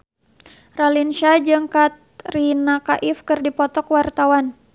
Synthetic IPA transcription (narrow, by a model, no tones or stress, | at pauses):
ralinʃad͡ʒɨŋkat̪̚rinakaʔifkɨrdipɔt̪ɔkwart̪awan